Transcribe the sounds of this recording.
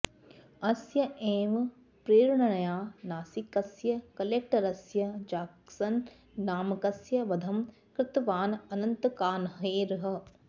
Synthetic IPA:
ɐsjɐʔeːʋ | pɾeːɾɳɐnɐjaːnaːsikɐsjɐkɐleːk̚ʈɐɾɐsjɐd͡ʒaːksɐnː | aːmɐkɐsjɐʋɐd̪ʱɐm | kɾɪt̪ʋaːnɐnɐnt̪kaːnɦɐeːɾɦɐ̆

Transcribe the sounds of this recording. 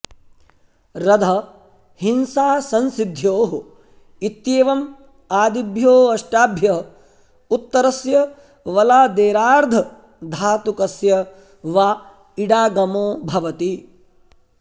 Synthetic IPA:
ɾɐd̪ʱɐ | hinsaːsɐnsid̪ʱjoːɦ | it̪jeːʋɐm | aːd̪ibʱjoːɐʃʈaːbʱjɐɦɐ | ut̪ːɐɾɐsjɐ | ʋɐlaːd̪eːɾaːɾd̪ʱɐ | d̪ʱaːt̪ukɐsjɐ | ʋaː | iɽaːɡɐmoːbʱɐʋɐt̪i

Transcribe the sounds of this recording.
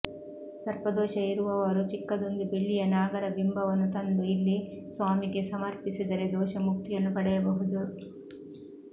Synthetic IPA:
sɐɾpɐd̪ɔːʃɐiɾuʋɐʋaːɾut͡ʃikːɐd̪und̪ibiɭːijɐnaːɡɐɾɐbimbɐʋɐnut̪ɐnd̪uilːisʋaːmikisɐmɐɾpisid̪ɐɾed̪ɔːʃɐmuk̚t̪iɐnɐpɐɽɐjɐbɐɦud̪u

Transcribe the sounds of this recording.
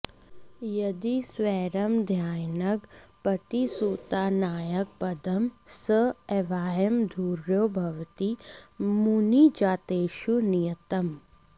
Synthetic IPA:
jɐd̪iswɛːɾɐmd̪ʱjaːjnɐkpɐt̪isuːt̪aːnaːjək̚pɐd̪ɐmsəeːʋaːjəmd̪ʱuːɾjoːbʱɐʋt̪imunid͡ʒaːt̪eːʃunijət̪ɐm

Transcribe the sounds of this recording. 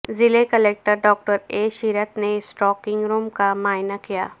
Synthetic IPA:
zɪlekəleːk̚ʈəɾɖɔːk̚ʈəɾeʃiɾət̪nesʈɔːkɪ̃ŋɡɾuːmkamaːɪnakija̰ː

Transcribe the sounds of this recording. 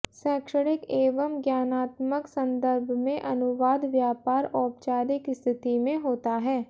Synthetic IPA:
sɛːkʃəɽɪkeːʋəmɡjaːnaːt̪məksɐ̃nd̪əɾbʱmẽʔɐnʊʋaːd̪ʋjaːpaːɾɔːpt͡ʃaːɾɪkst̪ʰɪt̪imẽɦoːt̪aɦɛː

